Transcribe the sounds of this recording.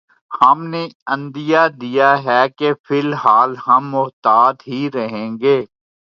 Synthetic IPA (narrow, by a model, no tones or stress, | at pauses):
hɐmneɐ̃nd̪ɪjad̪ijaɦɛkefʰɪlɦaːlɦɐmːʊɦt̪aːd̪ɦiɾɐɦẽːɡeː